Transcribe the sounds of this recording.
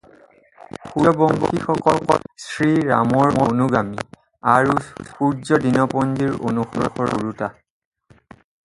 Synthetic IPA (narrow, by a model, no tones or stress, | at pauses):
xuɔbɔŋɡɔkixɔkɔkɔ̰sɹiɹa̰mɔɹmɔnuɡami | aɹupuɹzɔdinɔpɔnd͡ʒiɹo̰nuxɔɹɔ̰xɔɹɔ̰ɹuta